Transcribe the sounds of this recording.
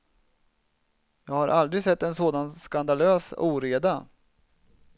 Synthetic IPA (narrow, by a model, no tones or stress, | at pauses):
jɑːɡhaɾʔald̪ɾɪɡsɛt̪ːɛnsoːd̪anskand̪aløːsuːɾeːd̪a